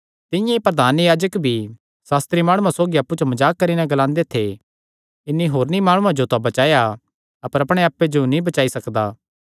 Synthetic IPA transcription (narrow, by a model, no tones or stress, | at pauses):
t̪ɪjãepɾɐd̪ʱaːnjaːd͡ʒəkbʱi | saːst̪ɾimaːɽ̃ũãsoːɡiɐpːut͡ʃomɐd͡ʒaːkːɐɾinɛɡɐlãːnd̪et̪ʰe | ɪnːiɦoːɾnimaːɽ̃ũãd͡ʒot̪abɐt͡ʃaːja | ɐpəɾɐpɽ̃eaːpːed͡ʒonĩbɐt͡ʃaːisɐkd̪aː